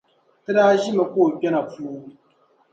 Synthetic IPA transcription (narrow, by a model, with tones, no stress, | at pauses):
tɛ˦daː˦ʒi˦ma˨koː˦˨pʲɛ˦na˨fuː˦